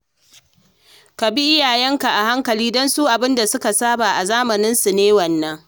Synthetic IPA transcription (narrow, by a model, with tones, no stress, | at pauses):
ka˨bi˦ʔɪ˦jaː˨jɛ˦ŋka˨ʔa˨ha˦ŋkɐ˨liː˦dɔ˦nsuː˦ʔa˨bɪ˦nda˨sʊ˦ka˨saː˦baː˨ʔa˨zaː˦mɐ˨nɪ˦nsu˨neː˦wɐ˨nːɐ˦ŋ